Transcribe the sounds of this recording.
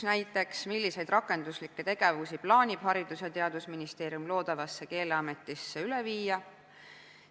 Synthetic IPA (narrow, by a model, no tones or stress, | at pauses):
næjt̪ːˑe̞ksmilːise̞jd̪̥rʔɑkːˑe̞nd̪uslikːe̞t̪e̞ɡ̥e̞vusiplɑːnʲib̥hɑɾid̪̥uset̪e̞ɑd̪usminist̪e̞ːɾiumlo̞ːd̪ɑvɑsːe̞ke̞ːleɑme̞t̪ːˑisːe̞yleviːjɑ